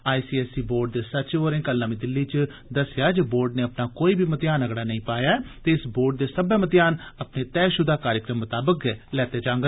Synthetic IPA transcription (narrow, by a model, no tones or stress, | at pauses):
aːisiːɛːsiːboːɾɖ̚d̪eːsətːt͡ʃoːɾẽːkəlnãːmĩːd̪ɪlːiːt͡ʃ | d̪əsɪjaːd͡ʒəboːɾɖneːəpnaːkoːiːbiːmət̪ɪjaːnəɡɽaːnəĩːpaːjaːɛːt̪eːɪsboːɾɖ̚d̪eːsəbɛːmət̪ɪjaːnəpneːt̪ɛːʃʊd̪aːkaːɾjəkɾəmːət̪aːbəkɛlɛːt̪eːd͡ʒãːŋɡə